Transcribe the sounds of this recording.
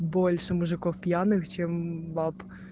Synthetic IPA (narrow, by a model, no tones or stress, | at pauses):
bolʲʂɨmuʐɨkofpʲjanɨxt͡ɕɛmbap